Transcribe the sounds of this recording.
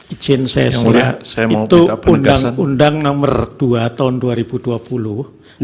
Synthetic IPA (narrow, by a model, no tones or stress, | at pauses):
id͡ʒɪnsɛ̰sait̪uundaŋundaŋnɔmərd̥uat̪aɦʊnduaɾib̥ud̥uapulu